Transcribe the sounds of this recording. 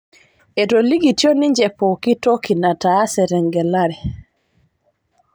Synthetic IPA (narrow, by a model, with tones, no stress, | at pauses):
ɛ˨toli˦ɡi˨tjo˦ni˦ɲd͡ʒɛpɔki˦tɔ˦kina˨ta˦sɛɾɛŋɡɛ˨laɾɛ